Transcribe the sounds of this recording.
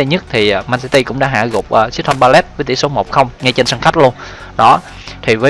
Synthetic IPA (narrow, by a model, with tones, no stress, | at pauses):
e˧ɲə˦˥t̚t̪ʰiː˨˩˨maː˧nsi˧t̪i˧kʊ̰˧˥ŋ͡mɗa̰ː˧˥ɦa̰ː˧˨ɣʊ˨˩k͡p̚ʔəː˨˩si˦˥ət̪ʰa˧mɓaː˧lɛ˦˥t̚və˨˦t̪ḭ˧˩so˨˦mo˨˩k͡p̚xə˧wŋ͡mŋa˧jt͡ɕe˧nsaː˧ŋxa˦˥jk̚lu˧ən | ɗɔ˨˦ | t̪ʰi˨˩vəː˨˦